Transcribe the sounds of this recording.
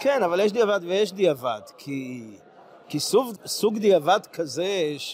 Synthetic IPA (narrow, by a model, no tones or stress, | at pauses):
kenavaljeʃd̪iavad̪vejeʃd̪iavad̪kʰi | kisuvsuɡd̪iavad̪kʰazeʃ